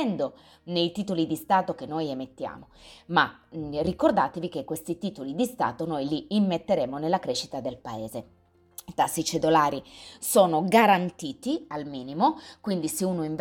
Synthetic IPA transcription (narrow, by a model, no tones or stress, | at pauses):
ɛnd̪o | nejt̪iːt̪olid̪ist̪aːt̪ok̟enːojemet̪ːja̰ːmomarikord̪aːt̪evik̟ekːwest̪it̪iːt̪olid̪ist̪a̰ːt̪onojliːmːet̪ːeɾeːmonelːakɾɛːʃi̥t̪ad̪elpaeːze | t̪asːit͡ʃed̪olaːɾisoːnoɡaɾant̪iːt̪ialmiːnimokwind̪iseuːnoiɱv